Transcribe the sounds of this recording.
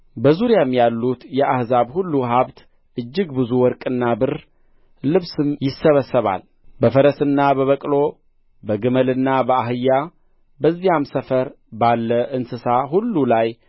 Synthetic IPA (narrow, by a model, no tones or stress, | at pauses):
bəzuɾjamjalːut̪jɛʔahzaβhulːuɦaβt̪ | ʔɨd͡ʒːɪɡbɨzuwɔɾkʼɨnːabɨɾ | lɨβsɨmjɪsːəβəsːəβa̰l | bəfəɾəsɨnːabəβəkʼlo̞ | bəɡɨməlɨnːabəaɦɨjːa | bəzːijamsəfəɾ | balːəʔɨnsɨsaɦulːulaj